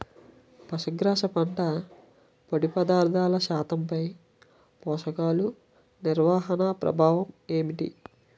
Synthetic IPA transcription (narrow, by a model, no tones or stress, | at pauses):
pɐʂɐɡɾaːʂɐpɐɳʈɐ | poɽipɐd̪aːɾd̪ʱaːlɐʃaːt̪ɐmpɐj | pɔːʂɐkaːlu | niɾʋaːɦɐnaːpɾɐ̰bʱaːʋɐme̞ːmiʈḭ